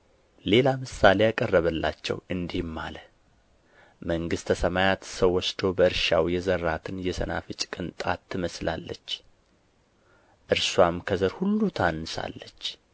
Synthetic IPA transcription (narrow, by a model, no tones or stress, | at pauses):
le̞lamɨsale̞jakʼərːəβəlːa̰t͡ʃːɛ̰wɨnd̪ihmːa̰lə | məŋɡɨst̪ʰəsəmajat̪səwːɔsd̪o̞bəɨɾʃawjɛzəɾːat̪ʰɨnjɛsəna̰fɨt͡ʃʼkʼɨnt̪ʼat̪ʰːɨməslalːət͡ʃː | ʔɨɾswamkʰəzəɾhulːut̪ʰanːɨsa̰lːət͡ʃː